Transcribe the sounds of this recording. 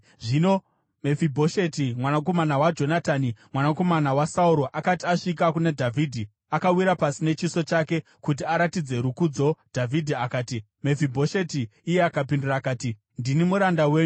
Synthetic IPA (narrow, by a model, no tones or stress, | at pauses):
ʐino̞ | me̞fibʱo̞ʃe̞timwanako̞manawad͡ʒo̞nataːnimwanako̞manawasauɾo̞ʔakatiaʂik̬akunedʱavʱidʱi | akawiɾapasine̞t͡ʃiso̞t͡ʃake̞ | kut̬iaɾatid͡ze̞ɾukud͡zo̞d̥ʱavʱidʱiakaːti | me̞fibʱo̞ʃetiːjeakapinduraːkaːti | ndinimuɾandawe̞ːɲu